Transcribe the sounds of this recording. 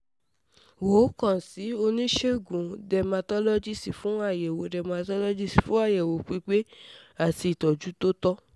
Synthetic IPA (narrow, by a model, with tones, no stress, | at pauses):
wo˨˦kã˦˨si˨˦o˧nĩ˦ʃe˦˨ɡũ˨dɛ˧ma˧tɔ˦lo˦d͡ʒi˦˨si˨fũ˨˦a˦˨jɛ˨wo˨˦dɛ˧ma˧tɔ˦lo˦d͡ʒi˦˨si˨fũ˦a˦˨jɛ˨wo˨k͡pi˨˦k͡pe˦a˦˨ti˧i˨tɔ˨d͡ʒu˨˦to˦tɔ˦